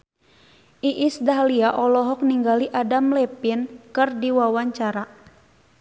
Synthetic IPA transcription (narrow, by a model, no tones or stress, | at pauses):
ʔiʔisdaɦliaʔɔlɔɦɔk̚niŋɡaliʔadamlɛpinkɨrdiwawaɲt͡ʃaɾa